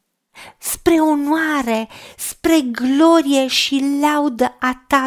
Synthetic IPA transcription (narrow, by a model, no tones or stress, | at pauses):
spɾe̞onwaɾe̞spɾe̞ɡlo̞ɾije̞ʃilawd̪əat̪a